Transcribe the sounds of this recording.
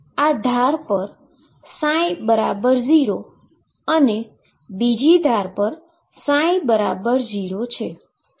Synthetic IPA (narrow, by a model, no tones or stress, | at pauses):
ad̪ʱaɾpəɾ | sãjbəɾabəɾziɾo | əne | bid͡ʒid̪ʱaɾpəɾ | sãjbəɾabəɾd͡ʒiɾot͡ʃʰe